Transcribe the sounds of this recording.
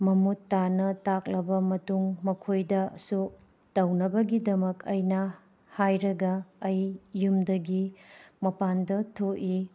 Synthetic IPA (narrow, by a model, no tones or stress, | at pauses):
mɐmutːanɐtak̚lɐbɐmɐtuŋmɐkʰojdɐsuk̚ | tɐwnɐbɐɡidɐmɐkʰɐjnɐ | hajɾɐɡɐːjːumdɐɡimɐpandɐtʰoʔi